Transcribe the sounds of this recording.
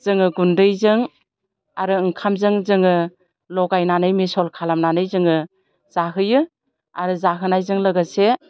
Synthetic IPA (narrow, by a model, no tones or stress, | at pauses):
z̥ɯŋɯɡundɯjzɯŋ | aɾɯɯŋkʰamzɯŋzɯŋɯ | lɔɡajnanɯjmesɔlkʰalamnanɯjzɯŋɯ | z̥aɦɯjɯ | a̰ɾɯzaɦɯnajzɯŋlɯɡɯse